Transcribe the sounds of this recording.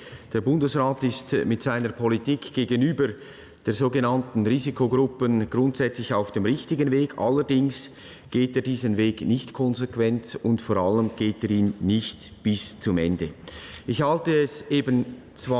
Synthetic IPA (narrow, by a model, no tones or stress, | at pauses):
d̥eːɾbʊndəsʁaːtɪstmɪtz̥aɪnəɾpʰɔlitiːkɡ̥eːɡənyːbəɾ | d̥eːzoːɡenantn̩ʁiːzikʰoɡɾʊpənɡ̥ɾʊntz̥ɛt͡slɪçaʊfd̥eːmʁɪçtɪɡənveːɡʰa̰lːəɾdɪŋs | ɡ̥eːteːɾdiːzənveːɡnɪçtkʰɔnzekvɛnt͡sʊntfoːɾaləmɡ̥eːteːɾiːnnɪçt | b̥ɪst͡sʊmɛ̰ndəɪçhaltəɛsʔeːbən | t͡sva